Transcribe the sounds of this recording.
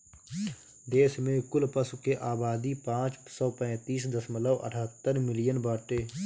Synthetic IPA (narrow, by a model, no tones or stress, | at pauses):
d̪eːsmẽkʊlpəsukeʔaːbaːd̪ipãːt͡ʃsɔːpɛ̃ːt̪iːsd̪əsmələːʔə̰ʈʰaːt̪ːəɾmɪlɪjənbaːʈeː